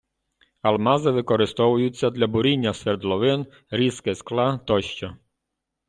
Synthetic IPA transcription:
almazɛvɘkɔɾɪst̪ɔvujut͡sʲːad̪lʲabuɾʲinʲːasʲvʲɛɾd̪lˠɔvɪn | ɾʲiskɛsklat̪ɔɕt͡ɕɔ

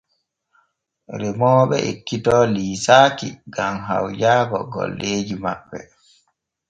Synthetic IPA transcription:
ɾɛmɔːɓɛʔekːitɔːliːsaːkiɡamɦa̰wd͡ʒaːɡɔɡɔ̰lːeːd͡ʒimaɓːɛ

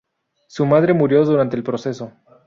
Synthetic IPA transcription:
sumaðɾe̞muɾjo̞ðuɾant̪e̞ːlpɾo̞se̞so̞

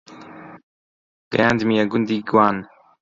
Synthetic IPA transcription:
ɡɾænd̪miaɡʊnd̪iɡwan

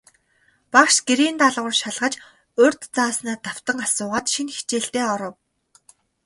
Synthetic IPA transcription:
paχʃɡeɾiːnt̪aɮʁʊ̆rʃaɮʁə̆t͡ɕ | ɵrʲt̪t͡saːsnæːt̪aw̥t̪ə̆ŋasʊːʁaːt̪ʃinxi̥t͡ɕeːɬt̪eːɔɾɞ̆w

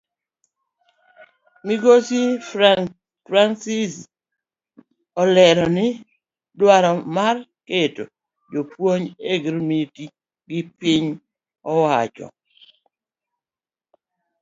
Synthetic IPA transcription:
miɡosi | fɾansis | ɔlɛɾɔnɪ | dwaɾɔmarketo̰ | d͡ʒopwoɲeɡɾmiti | ɡɪpiɲ | ɔwat͡ʃɔ̰

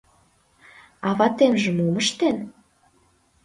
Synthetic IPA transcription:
ɑβɑt̪emʒə̆muməʃt̪en

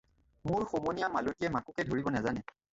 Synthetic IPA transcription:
mʊɹxomonijamalotijɛmakukɛdʱoɹibɔnazanɛ

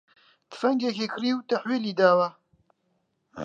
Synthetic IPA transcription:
d̪̥ɨ̥fɐŋɡekeːkʰɨɾiːwt̪ɐħwiːliːd̪aːwa

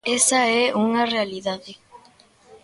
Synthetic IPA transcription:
esɐɛuŋɐrealiðaðe

